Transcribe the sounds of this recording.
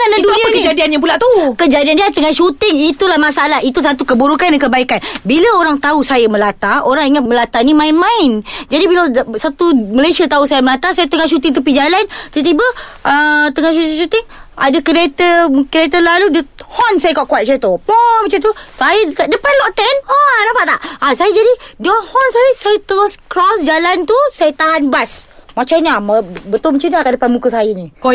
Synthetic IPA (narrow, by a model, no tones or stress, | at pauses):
kanaduəkəd͡ʒadianjãp̬ulaʔt̪ukəd͡ʒadiandiat̪əŋaʃut̪ɪŋit̪ulahmasaalaɦit̪us̬at̪ukəbuɾukandaŋkəbaikanbiləoɾaŋt̪ausajəmə̃lat̪aoɾaŋiŋat̪̚məlat̪animãɪnmãɪnd͡ʒadibilasat̪uməlesiat̪ausajəməlat̪asajat̪əŋahʃ̬ut̪ɪŋt̪up̬id͡ʒalant̪ət̪ibəʔət̪əŋahʃut̪iŋʃut̪ɪŋadəkəɾet̪əmkɾet̪əlaludəhɔnsajəkɔʔkuat̪̚sajət̪opɔmat͡ʃant̪usajəkaʔdəpanlɔʔt̪ɛnanapaʔt̪aʔasajəd͡ʒadidəhɔnsajəsajət̪əɾoskɾɔsd͡ʒalant̪usajət̪aɦanbas | mat͡ʃanambət̪ʊlmat͡ʃanaakaʔdəpanmukəsajənĩk